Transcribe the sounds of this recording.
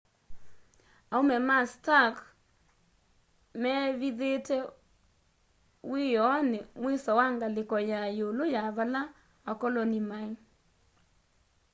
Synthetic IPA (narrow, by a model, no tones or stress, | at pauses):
aomɛmastak | mɛβiðetɛ | wijɔnɪmwesɔwaŋɡalɪkɔjajolojaβala | akɔlɔnimai